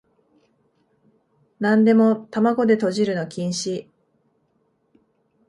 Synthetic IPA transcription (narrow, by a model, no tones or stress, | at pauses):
nãnd̪e̞mo̞t̪amaɡo̞d̪e̞t̪o̞ʑiɾɯ̟no̞kʲĩɰ̃ɕi